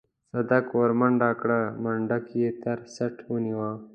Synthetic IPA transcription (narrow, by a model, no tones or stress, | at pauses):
sɐd̪akoɾmɐɳɖaːkɽamɐɳɖɐkjet̪ɐɾsɐʈʰuniwa